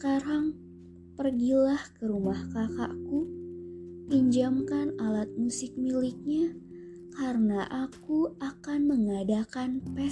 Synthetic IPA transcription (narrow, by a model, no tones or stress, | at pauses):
kaɾaŋ | pərɡilahkəɾumahkaka̰ku | iɲd͡ʒamkanalat̪̚musɪk̚milɪk̚ɲa | kaɾənaʔakuakanməŋadakanpɛ